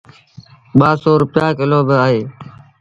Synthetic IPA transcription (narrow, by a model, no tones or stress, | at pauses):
ɓaːsoːɾʊpjaːkɪloːbɪaːɦeː